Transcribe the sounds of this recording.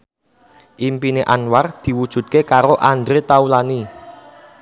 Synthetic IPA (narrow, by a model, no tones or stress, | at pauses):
ʔimpineʔanward̪̥i̤wud̥ʒ̥ṳt̪̚kekaɾoʔandɾet̪aulani